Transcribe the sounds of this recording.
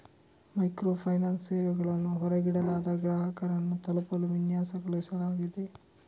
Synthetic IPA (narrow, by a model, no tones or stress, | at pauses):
mɐjkɾoːpʰɐjnaːnsːeːʋɛɡɐɭɐnːuɦɔɾɐɡiɽɐlaːd̪ɐɡɾaːɦɐkɐɾɐnːut̪ɐlɐpɐluʋinjaːsɐɡɐɭisɐlaːɡid̪e̞